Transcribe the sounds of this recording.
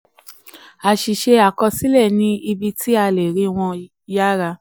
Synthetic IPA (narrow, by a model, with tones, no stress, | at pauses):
a˨ʃi˨ʃe˧a˨kɔ˧si˦lɛ˦˨nĩ˦i˧bi˧tʰi˦a˧le˨ɾĩ˨˦w̃ɔ̃˧ | ja˦ɾa˧